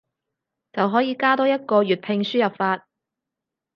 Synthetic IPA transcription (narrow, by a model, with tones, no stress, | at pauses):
t͡sɐ˨wɦɔː˨˥jiː˨˧kaː˥t̪ɔː˨˥jɐ˥t̚kɔː˧ɥyː˨t̚pʰɪ˧ŋsyː˥jɐ˨p̚faː˧t̚